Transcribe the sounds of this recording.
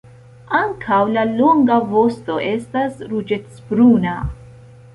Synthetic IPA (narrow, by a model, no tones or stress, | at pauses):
aŋkʰawlalo̞ŋɡavo̞sto̞ʔe̞stasɾud͡ʒe̞tsbɾuna